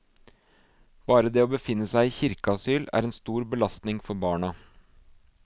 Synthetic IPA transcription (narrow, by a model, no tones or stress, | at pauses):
b̥ɑːɾəd̪eːoːbəfɪnːəsæɪiːçɪɾkəɑsyːlæ̰ːɾɛːnst̪uːɾbəlɑst̪nɪŋfɔɾbɑːɳɑ